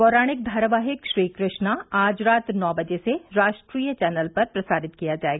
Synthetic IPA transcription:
kɔːɾaːɽ̃ɪk̚d̪ʱaːɾaʋaːɦɪkʃɾiːkɾɪʃnaaːd͡ʒɾaːt̪nɔːbɐd͡ʒeseɾaːʃʈɾiːjət͡ʃɛːnəlpɐɾpɾɐsaːɾɪt̪kijad͡ʒaːeːɡaaː

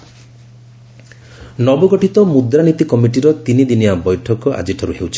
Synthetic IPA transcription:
nɔbɔɡɔʈit̪ɔmud̪ɾanit̪ikɔmiʈiɾɔt̪inid̪inijabɔjʈʰɔkɔʔa̰d͡ʒiʈʰɔɾuɦewt͡ʃʰi̥

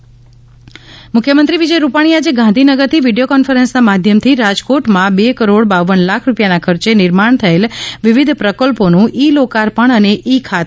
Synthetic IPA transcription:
mʊkʰjəmənt̪ɾiʋid͡ʒəjɾupaɽ̃iad͡ʒeɡãnd̪ʱinəɡəɾt̪ʰiʋiɖijokɔnfəɾensnamad̪ʱjəmt̪ʰiɾad͡ʒkoʈmãbekəɾoɽbaʋənlakʰɾupjanakʰəɾt͡ʃenɪɾmaɳ̃t̪ʰəelʋiʋid̪ʱpɾəkəlponũʔilokaɾpəɳəneʔikʰat̪

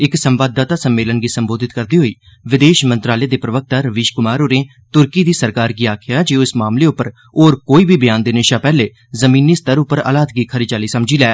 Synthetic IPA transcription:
ɪksəmʋaːd̪ːaːt̪aːsəmːeːlənɡiːsəmboːd̪ʱɪt̪kəɾd̪iːɦoːiː | ʋɪd̪eːʃmə̃nt̪ɾaːleːd̪eːpɾəʋək̚ʰt̪aːɾəʋɪːʃkʊmaːɾoːɾẽː | t̪ʊɾkiːd̪iːsəɾkaːɾɡiːaːkʰɪjaːd͡ʒeːõɪsmaːmleːʊpːəɾ | oːɾkoːiːbʱiːbjaːnd̪eːnɪʃaːpɛːleː | zəmĩːniːst̪əɾʊpːəɾə̰ːlaːt̪ɡiːkʰəɾiːd͡ʒaːliːsəmd͡ʒiːlɛː

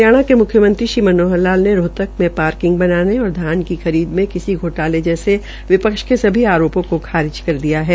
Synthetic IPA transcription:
jaːɽ̃akemʊkʰjəmə̃nt̪ɾiʃiːmɐnoːɦəlaːlneɾoːt̪ək̚mẽpaːɾkɪ̃ŋɡ̚bɐnaːneɔːɾd̪ʱjaːnkixɐɾiːd̪mẽkɪsiɡʱoːʈaːled͡ʒɛːse | ʋɪpəkʃkesɐbʱiaːɾoːpõkokʰaːɾɪd͡ʒkɐɾd̪ijaɦɛː

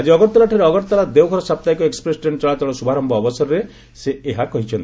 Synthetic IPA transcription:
ad͡ʒiɔɡɔɾt̪ɔlaʈʰaɾeɔɡɔʈt̪ɔlad̪ewkʰɔɾɔsap̚t̪ajkɔekspɾesʈeɳt͡ʃɔɭat̪ɔɭɔsubʱaɾɔmbɔːbɔsɔɾɔɾe | seeɦakɔɦit͡ʃʰɔnt̪i

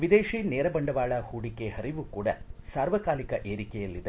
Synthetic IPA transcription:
ʋid̪eːʂiːneːɾɐbɐɳɖɐʋaːɭɐhuːɽikehɐɾiʋukuːɽɐsaːɾʋɐkaːlikɐʔeːɾikɛjɐlːid̪e

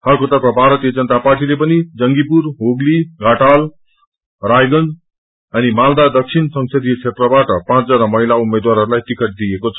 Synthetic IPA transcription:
hʌrkot̪ʌpkabʱaɾʌt̪ijʌd͡zʌnət̪aparʈilepʌnid͡zʌŋɡipurɦoɡliɡʱaʈal | rajɡʌnd͡z | ʌnimald̪ad̪ʌk̚t͡sʰinsʌŋsʰed̪ijʌt͡sʰet̪rʌbaʈʌpãt͡sd͡zʌnamʌɦilaumed̪waɾɦʌɾulajt̪ikʰʌʈ̚d̪ijekot͡sʰʌ

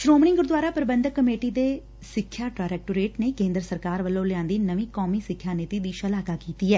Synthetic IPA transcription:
ʃɾoːmnɪ̃ŋɡʊɾd̪waːɾaːpəɾəbə̃nd̪əkːəmeːʈiːd̪eː | sɪkʰːjaːʈaːɾɛːk̚ʈoːɾeːʈneːkẽːnd̪ɾəsəɾkaːɾʋəlːõːlɪjãːnd̪iːnəʋĩːkɔːmiːsɪkʰːjaːneːt̪iːd̪iːʃəlaːkaːkiːt̪iːɦɛː

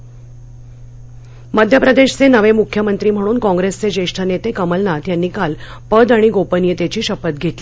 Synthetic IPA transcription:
məd̪ʱjəpɾəd̪eɕt͡senəʋemukʰjəmənt̪ɾiːm̤əɽ̃uːnkɔ̃ŋɡɾest͡sed͡ʑeʂʈʰənet̪ekəməlnat̪janːiːkalpəd̪aɽ̃iɡopənjət̪et͡ɕiːɕəpət̪̚ɡʱet̪li

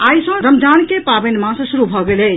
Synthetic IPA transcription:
ajsə̃ɾəmd͡ʒʱankepabenmãsə̃suɾubʱɔɡelɛ

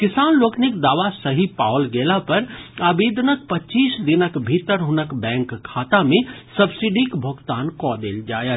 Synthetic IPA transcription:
kɪsaːnloːknɪkd̪aːʋasəɦipa̰ːʋəlɡeːlapɐɾaːbeːd̪nək̚pɐt͡ʃiːsd̪ɪnəkbʱit̪əɾɦʊnəkbɛ̃ːŋkʰːaːt̪amẽsɐbsiɖikbʱoɡt̪aːnkɔd̪eːld͡ʒa̰ːjə

